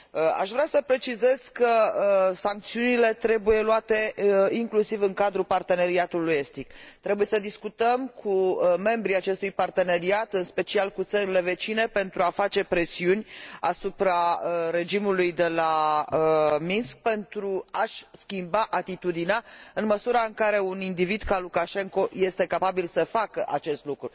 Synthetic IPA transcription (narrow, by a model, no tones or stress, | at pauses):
əa̰ʃvɾeasəpɾe̞t͡ʃize̞z̥kəsaŋk̚t̪siunile̞t̪ɾe̞buje̞luat̪e̞iŋklusivɨŋkad̪ɾupart̪e̞ne̞ɾiat̪uluje̞st̪ikt̪ɾebuje̞səd̪iskut̪əmkʰume̞mbɾiat͡ʃe̞st̪ujpart̪e̞ne̞ɾiat̪ɨnspe̞t͡ʃialkut̪səɾile̞ve̞t͡ʃine̞pe̞nt̪ɾuafat͡ʃe̞pɾe̞siunʲa̰supɾaɾe̞d͡ʒimulujd̪e̞laəminsk̚pe̞nt̪ɾuaʃskʲimbaʔat̪it̪ud̪ineaɨnməsuɾaɨŋkaɾe̞unind̪ivid̪kalukaʃe̞ŋko̞je̞st̪e̞kapabilsəfakəʔat͡ʃe̞st̪lukɾu